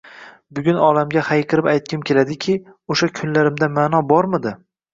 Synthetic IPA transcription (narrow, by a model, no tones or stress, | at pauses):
bʊɡʲʊnɒlamɡʲahajqʰɨɾɪpajt̪̚kʲɪmkʲe̞lad̪ɪkʲʰɪ | oʃakʲʰʊnlaɾɪmd̪amanɒbɒɾmɪd̪ɪ